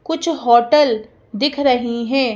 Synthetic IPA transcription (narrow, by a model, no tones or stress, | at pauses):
kʊt͡ʃʰɦɔːʈəl | d̪ɪkʰɾɐɦiɦɛ̃ː